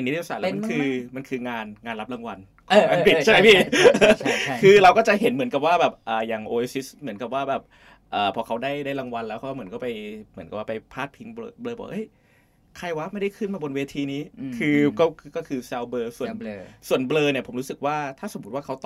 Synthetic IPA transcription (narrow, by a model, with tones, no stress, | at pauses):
e˧˩nː˧˦˥i˧˩saː˨˩lːm˧kʰɯː˧ma˧nkʰɯː˧ŋaː˧nŋaː˧nla˦˥p̚la˧ŋwa˧n | kʰːŋaː˧pʰi˨˩tt͡ɕʰa˥˩jpʰiː˥˩ | kʰɯː˧ɾa˧wkɔ˥˩t͡ɕa˨˩ɦe˩˦nmɯ˩˦nka˨˩p̚waː˥˩bɛː˨˩p̚ʔəː˨˩jaː˨˩ŋʔoː˧e˧si˦˥smɯ˩˦ənka˨˩p̚waː˥˩bɛː˨˩p̚ | ʔɤː˨˩pʰɔː˧kʰa˦˥wdaː˥˩jdaː˥˩jɾa˧ŋwa˧nlɛ˦˥wkʰaː˥˩mɯ˩˦ənkɔ˥˩pa˧jmɯ˩˦nka˨˩waː˥˩pa˧jpʰaː˥˩pʰi˦˥ŋbɤː˧blɤː˧bɔ̰ː˨˩kʔɤ˦˥˩j | kʰa˧jwa˦˥ma˥˩jda˥˩jkʰɯ˥˩nmaː˧bo˧nweː˧t̪ʰiː˧niː˦˥kʰɯː˧kɔː˥˩˧kɔː˥˩kʰɯː˧sɛː˧wbɤː˧su˨˩ən˧su˨˩ənblɤː˧ni˧˩ɐo˩˦mɾu˦˥sɯ˨˩k̚waː˥˩t̪ʰaː˥˩so˨˩˦mː˦u˦˥t̪̚waː˥˩kʰa˦˥wt̪ː